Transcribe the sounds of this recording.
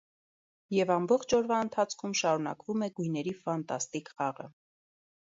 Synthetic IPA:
jɛvɑmbɔχt͡ʃʰɔɾvɑənt̪ʰɑt͡sʰkʰumʃɑɾun̪ɑ̰kvumɛɡujnɛɾifɑnt̪ɑ̰st̪ikχɑʁə̰

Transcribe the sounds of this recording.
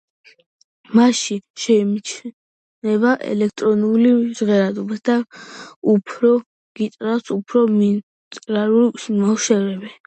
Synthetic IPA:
maʃiʃɛmt͡ʃʰ | nɛbaʔɛ̰lɛk̚ʰt̪ʼɾɔnulizʁɛɾad̪ɔbasd̪a | upʰɾɔ | ɡ̥it̪ʼɾasupʰɾɔmi | t̪ʼɾaɾulmaʃɛvɾɛbɛ

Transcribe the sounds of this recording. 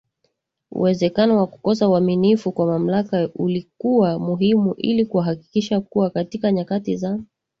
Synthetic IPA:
ṵwɛzɛkanɔwakukɔsauaminifukwamam̩lakaulikuwamuɦimuʔilikuaɦaki̥kiʃakuwakatikaɲakatiza

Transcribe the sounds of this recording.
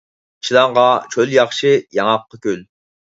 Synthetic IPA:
ʃilˠɑŋʁɑt͡ʃʰøljɑχʃɨjɑŋɑqːɑkʲøl

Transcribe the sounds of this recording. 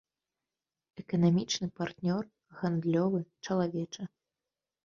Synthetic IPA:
ɛkɐnamʲit͡ʂnɨpart̪nʲɔr | ɣand̪lʲɔvɨt͡ʂɐlˠavʲɛt͡ʂɐ

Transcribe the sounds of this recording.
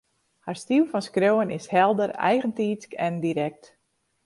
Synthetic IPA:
haɹstiwfɔnskroːənɪshɛlˠdərɛ̰jɣəntiːt͡skɛndiɾɛk̚t

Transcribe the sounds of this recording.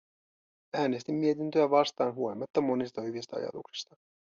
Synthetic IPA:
æːne̞st̪imːie̞t̪int̪øæʋɑst̪ɑːnɦuo̞limːɑt̪ːɑmo̞nist̪ɑhyʋist̪ɑɑ̰jɑ̰t̪uksi̥st̪ɑ

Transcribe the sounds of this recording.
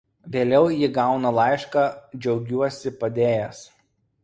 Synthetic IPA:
ʋʲeːlʲɛʊjɪɡɑˑʊnɐlˠɑɪʃkɑːd͡ʒʲɛʊɡʲuɔsʲɪpɐd̪ʲeːjɛs

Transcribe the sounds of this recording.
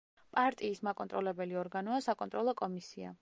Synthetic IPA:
pʼaɾt̪ʼiːsmakʼɔnt̪ʼɾɔlɛbɛliɔɾɡanɔasakʼɔnt̪ʼɾɔlˠɔkʼɔmisia̰

